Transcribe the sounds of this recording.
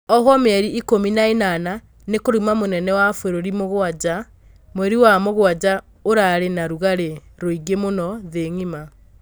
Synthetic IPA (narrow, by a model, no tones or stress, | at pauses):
ɔɦɔmɛɾiʔːkominaenana | nekoɾimamonɛnɛwafweɾoɾimoɣwad͡ʒa | mwɛɾiwamoɣwad͡ʒa | oɾaɾenaɾuɣaɾeɾoiɡemonɔðeŋima